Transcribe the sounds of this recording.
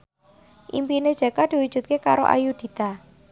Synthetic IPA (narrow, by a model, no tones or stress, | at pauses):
ʔḭmpined̥ʒ̥a̤kad̪̥i̤wud̥ʒ̥ṳt̪̚kekaɾo̰ʔa̰jud̪̥i̤t̪a